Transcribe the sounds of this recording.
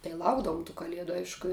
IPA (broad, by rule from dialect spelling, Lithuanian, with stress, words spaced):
tɐɪ ˈlˠɐʊɡdɐʋʊm tuː kɐˈlʲiɛdʊ ˈɐɪʃkʊ